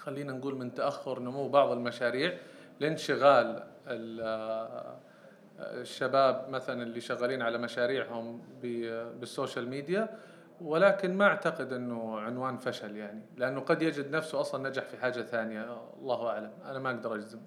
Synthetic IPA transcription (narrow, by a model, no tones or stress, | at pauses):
xalːiːnanɡuːlmɪnt̪aʔaxːʊɾʔnʊmuwːbɑʕðˤɪlmaʃaːɾiːʕ | lɪnʃɪɣaːlɪl | ʃːabaːbmaθalanɪlːiʃaɣːaliːnʕalamaʃaːɾiːʕhʊmbɪbɪsːoːʃalmiːd̪ja | wɪlaːkɪnmaʔaʕt̪aqɪd̪ʔɪnːʊʕɪnwaːnfaʃaljaʕnilɪʔanːʊqɑd̪jad͡ʒɪd̪nafsuʔɑsˤlɑnːad͡ʒaħfiħaːd͡ʒːaθaːnɪjaɑ̰lˤːɑːhʔaʕlamʔa̰namaʔaɡd̪ɑɾˤʔad͡ʒzɪm